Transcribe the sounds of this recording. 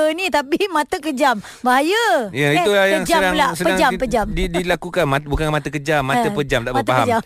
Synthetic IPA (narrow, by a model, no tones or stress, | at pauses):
nit̪apimãt̪əkəd͡ʒam | baɦajəjaiulajəŋd͡ʒadalasəpəad͡ʒapəd͡ʒamdidilakukanmat̪bukanmat̪əkəd͡ʒamːat̪əpəd͡ʒamt̪aʔbmat̪paɦa̰d͡ʒa